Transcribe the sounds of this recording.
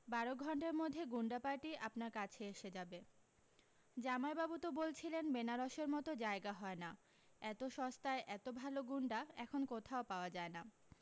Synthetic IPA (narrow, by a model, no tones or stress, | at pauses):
baɾoɡʱɔɳʈaɾmod̪ʱːeɡuɳɖapaɾʈiʔapnaɾkat͡ɕʰeeʃed͡ʑabe | d͡ʑamaebabut̪obolt͡ɕʰilenbenaɾɔʃeɾmɔt̪od͡ʑaeɡaɦɔena | ɛt̪oʃɔst̪aeʔɛt̪obʱaloɡuɳɖaɛkʰonkot̪ʰaopaoad͡ʑaena